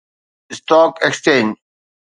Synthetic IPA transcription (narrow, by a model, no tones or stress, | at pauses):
st̪oːkekst͡ɕẽːn